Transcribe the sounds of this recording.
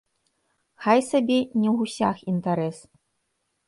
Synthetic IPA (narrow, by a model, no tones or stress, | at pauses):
xajsabʲɛnʲɛusʲaxint̪aɾɛs